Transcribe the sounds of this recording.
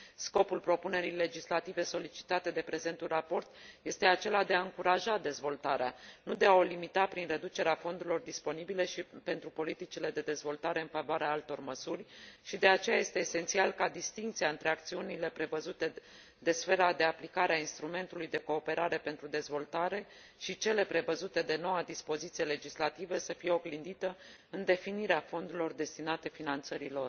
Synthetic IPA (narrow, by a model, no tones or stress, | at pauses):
sko̞pulpɾo̞pune̞ɾijle̞d͡ʒislat̪ive̞so̞lit͡ʃi̥t̪at̪e̞d̪e̞pɾe̞ze̞nt̪unrapo̞rt̪je̞st̪e̞at͡ʃe̞lad̪e̞aɨŋkuɾaʒad̪e̞zvo̞lt̪aɾeanud̪e̞ao̞limit̪apɾinre̞d̪ut͡ʃe̞ɾeafo̞nd̪uɾilo̞rd̪ispo̞nibile̞ʃipe̞nt̪ɾupo̞lit̪it͡ʃile̞d̪e̞d̪e̞zvo̞lt̪aɾe̞ɨnfavoaɾeaalt̪o̞rməsurʲʃid̪e̞at͡ʃe̞jaje̞st̪e̞ːse̞nt̪sialkad̪ist̪iŋkt̪siaɨnt̪ɾe̞akt̪siunile̞pɾe̞vəzut̪e̞ | d̪e̞sfe̞ɾad̪e̞aplikaɾeainst̪ɾume̞nt̪ulujd̪e̞ko̞ːpe̞ɾaɾe̞pe̞nt̪ɾud̪e̞zvo̞lt̪aɾe̞ | ʃit͡ʃe̞le̞pɾe̞vəzut̪e̞d̪e̞no̞wad̪ispo̞zit̪sijele̞d͡ʒislat̪ivəsəfijeo̞ɡlind̪it̪ə | ɨnd̪e̞finiɾeafo̞nd̪uɾilo̞rd̪e̞st̪inat̪e̞finant̪səɾilo̞r